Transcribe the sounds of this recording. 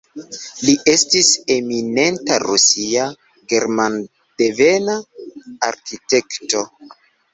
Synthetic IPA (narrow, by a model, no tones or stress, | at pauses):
liʔe̞stise̞mine̞ntaɾusia | ɡe̞ɾman | d̥eve̞naː | ɾkite̞kto̞